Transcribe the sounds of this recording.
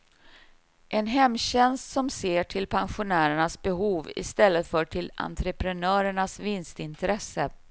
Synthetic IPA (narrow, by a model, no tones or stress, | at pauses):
ʔɛnɦɛmːɕɛnst̪sɔmseːʈʰɪlpʰanɧʊnæːɾəɳasbɛɦuːvɪ̰st̪ɛlːət̪fœːʈʰɪla̰nt̪ɾəpɾɛnœːɾəɳasvɪnst̪ɪnt̪ɾɛsːə